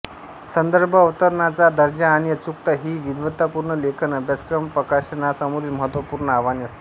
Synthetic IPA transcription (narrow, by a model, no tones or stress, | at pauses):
sənd̪əɾbʱəːʋt̪əɾɳat͡sad̪əɾd͡ʑaːɽ̃iət͡suk̚t̪əɦiːʋid̪ʋət̪apuɾɳəlekʰnəbjəskɾəmpɾəkaɕənasəmuɾilməɦət̪ʋəpuɾɳəaʋaniəst̪i